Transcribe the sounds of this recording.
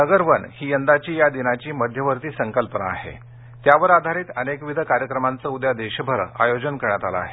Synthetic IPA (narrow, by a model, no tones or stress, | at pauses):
nəɡəɾʋənhiːjənd̪at͡ɕiːjad̪inat͡ɕiːməd̪ʱjəʋəɾt̪iːsəŋkəlpəna̰ːhḛ | t̪jaʋəɾad̪ʱaɾiːt̪ənekʋid̪ʱəkaɾjəkɾəmant͡səːud̪jad̪eɕəbʱəɾa̰jod͡ʑənkəɾɳjat̪ala̰ːɦe